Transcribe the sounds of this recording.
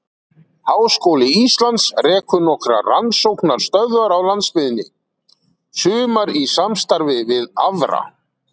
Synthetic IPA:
haːwskowlɪist̪lant̪srɛːkʏnɔkɾa̰ransowknaɾ̥st̪œðvaɾawlant̪spɪðɪnːɪ | sʏːmaɾisamst̪aɾvɪvɪðavɾa̰

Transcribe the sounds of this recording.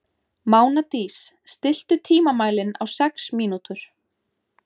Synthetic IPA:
maːwnat̪iːsːt̪ɪl̥t̪ʏt̪ʰiːmamaːjlɪnawsɛksmiːnut̪ʏɾ̥

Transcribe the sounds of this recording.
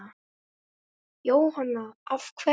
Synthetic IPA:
a | joːwɦanːaafkʰvɛ

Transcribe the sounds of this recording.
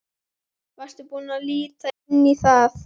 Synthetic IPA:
vast̪ɪpunaliːt̪a | nːiθaθ

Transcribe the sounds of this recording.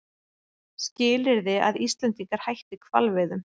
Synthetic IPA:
scɪːlɪɾðɪa̰ðist̪lɛnt̪iŋkaɾ̥hajht̪ɪkʰv̥a̰lvɪðʏm

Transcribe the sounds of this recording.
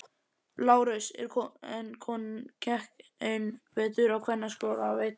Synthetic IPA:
laːwɾɪsɛ̰ɾ̥ʰɛnkʰɔncʰɛhkejnvɛːt̪ʏɾawkʰvɛnːaskoːlavejt̪

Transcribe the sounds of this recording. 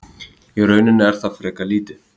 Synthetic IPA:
iɾœːɥnɪnːɪɛɾ̥θaðfɾɛːkaliːt̪ɪ

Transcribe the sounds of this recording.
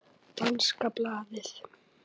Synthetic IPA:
t̪anskaplaːðɪθ

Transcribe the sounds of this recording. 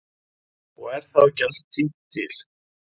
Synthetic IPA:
ɔɣɛɾ̥θawcast̪ʰːit̪ʰɪl̥

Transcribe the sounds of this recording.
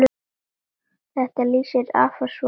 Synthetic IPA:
θɛht̪aliːsɪɾa̰ːfas

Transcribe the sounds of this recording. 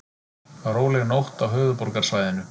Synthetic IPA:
θaɾowlɛɣnowht̪awɦœːðʏpɔɾkaɾ̥svajðɪnʏ

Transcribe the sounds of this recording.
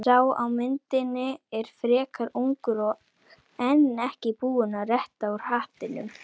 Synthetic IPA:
aːwa̰wmɪnt̪ɪnɪɛɾ̥fɾɛːkaɾuŋkʏɾɔ | ɛnːɛhcɪpuːʏnarɛht̪auɾ̥haːht̪ɪnʏ̰m

